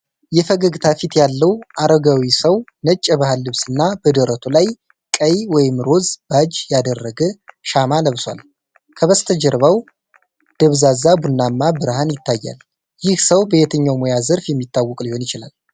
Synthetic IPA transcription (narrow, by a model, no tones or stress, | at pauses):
jɛfəɡəɡɨt̪ʰafit̪jalːəwʔaɾəɡawisəwnət͡ʃʼːəβahalːɨβsɨnːabəd̪əɾət̪ʰolaj | kʼəjwɔjɪmɾo̞zb̥ad͡ʒjad̪ərːəɡəʃamaləβswa̰l | kʰəβəst̪ʰəd͡ʒəɾβaw | d̪̥əβzazabunːamːabɨɾhanjɪt̪ʰːajːa̰l | jɪhsəwbəjet̪ʰəɲːawmojazəɾfjɛmːit̪ʰːawːɔkʼliho̞njɪt͡ʃɪla̰l